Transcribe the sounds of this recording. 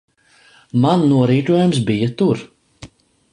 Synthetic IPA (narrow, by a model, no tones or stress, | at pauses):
mannuɔɾiːt̪uɔjums̬bijat̪uɾ